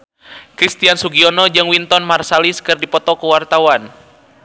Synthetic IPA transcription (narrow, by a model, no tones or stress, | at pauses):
kɾist̪iansuɡiɔnɔd͡ʒɨŋwint̪ɔnmarsaliskɨrdipɔt̪ɔkuwart̪awan